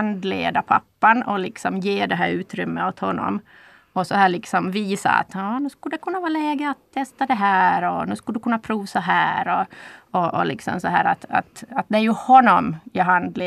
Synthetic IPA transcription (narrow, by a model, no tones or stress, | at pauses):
nd̪lḛːd̪apʰa̰pːanɔlɪksɔmjeːɖɛɦæːɾʉ̟ːt̪ɾʏmːəɔt̪hɔnːɔ̰m | ɔsɔhæːɭɪksɔmviːsa̰a̰t̪jɑːnʉ̟skɵləd̪ɛkʰɵnːavɑːlɛːɡəat̪ʰːɛst̪ad̪ɛɦæːɾɔnʉskɵləd̪ɵkɵnːapʰɾuːvsɔɦæːɾɔɔʔɔlɪksɔ̰msɔɦæ̰ːɾat̪a̰t̪at̪̚d̪ɛæɾjɵhɔnːɔmjɑɦand̪leː